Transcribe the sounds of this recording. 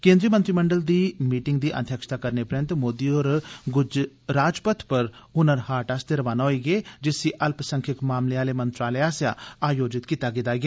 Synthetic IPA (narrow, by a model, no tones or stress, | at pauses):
kẽːnd̪ɾiːəmə̃nt̪ɾiːməɳɖəld̪iːmiːʈɪŋɡ̚d̪iːʔə̰d̪ʰjəkʃə̥t̪aːkəɾneːpɾə̃nt̪moːd̪iːoːɾɡʊd͡ʒ | ɾaːd͡ʒpət̪ʰpəɾ | ʊnəɾhaːɾʈaːsd̪eːɾəʋaːnaːɦoiːɡeːd͡ʒɪsiːʔəlpsəŋkʰɪkmaːmleːaːleːmənt̪ɾaːleːaːsja̰ːaːjoːd͡ʒɪt̪kit̪aːɡed̪aːɡeː